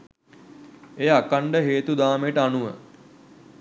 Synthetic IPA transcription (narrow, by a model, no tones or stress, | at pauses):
ejakaɳɖəɦeːt̪ud̪aːmeʈəanuʋə̰